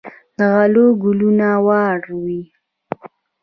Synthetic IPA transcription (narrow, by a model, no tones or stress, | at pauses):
d̪əɣaloɡulunawɑɽwi